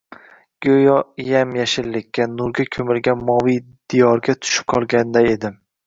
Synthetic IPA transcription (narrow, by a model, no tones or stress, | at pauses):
ɡ̥ʲɵjɒjamjaʃɪlːɪkʲːanʊɾɡʲakʲʰɵmɪlɡʲanmɒvij | d̪̥ijɒɾɡʲat̪ʰʊ̥ʃɪ̥p̚qʰɒlˠɡʲand̪aed̪ɪm